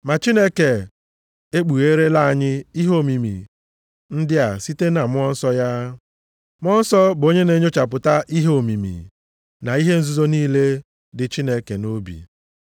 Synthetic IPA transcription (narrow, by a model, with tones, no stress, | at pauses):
ma˨t͡ʃi˦ne˦ke˨ | e˦k͡pu˨ɣe˦ɾe˦la˦a˨ɲɪ˦i˦ɦo˦˨mi˨mḭ˨ | n̩˦dɪ˦a˨si˦te˦na˨mʊ˦ɔ˦n̩˦sɔ˦ja˦ | mʊ˦ɔ˦n̩˦sɔ˦bo˦ɲe˦ne˨˦ɲ˦o˦t͡ʃa˨p̬ʊ˨ta˦ʔi˦ɦo˨mi˨mḭ˨ | na˨i˦ɦe˦n̩˦zu˦zo˦niː˦le˦ | dɪ˨t͡ʃi˦ne˦ke˨no˦bḭ˨